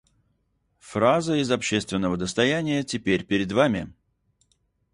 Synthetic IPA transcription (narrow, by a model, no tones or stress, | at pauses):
frazəɪzɐpɕːe̞st̪vʲɪnːəvəd̪əst̪ɐjænʲɪjətʲɪpʲeɾʲpʲɪɾʲɪd̪vamʲɪ̰